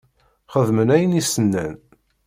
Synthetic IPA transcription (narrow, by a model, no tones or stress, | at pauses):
χəðmənæjənisənːæ̰n